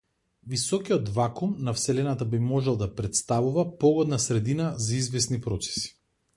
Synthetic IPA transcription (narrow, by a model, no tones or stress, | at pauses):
visɔkiɔt̪vakumnafsɛlɛnat̪abimɔʒɛlˠd̪apɾɛt̪st̪avuvapɔɡɔd̪nasɾɛd̪inazaizvɛsnipɾɔt̪sɛ̥si̥